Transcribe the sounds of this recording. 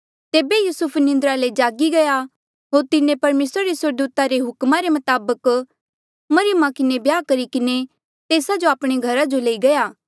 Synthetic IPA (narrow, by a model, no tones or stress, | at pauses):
t̪eːbejuːsʊpʰnɪ̃nd̪əɾaled͡ʒaːɡiɡɐja | ɦoːɾt̪ɪnẽpɐɾmeːsɾaɾisəɾd̪uːt̪aɾeɦʊkmaɾemɐt̪aːbək | mɐɾɪjəmakɪnebjaːkɐɾikɪne | t̪eːsad͡ʒoaːpɽ̃eɡʱɐɾad͡ʒoleːiɡɐjaː